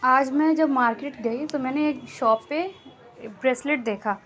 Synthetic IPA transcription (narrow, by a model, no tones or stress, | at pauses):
aːd͡ʒmɛ̃d͡ʒɐbmaːɾkeːʈɡɐit̪omɛ̃ːneːkʃɔːpːe | bɾeːslɪʈ̚d̪eːkʰaː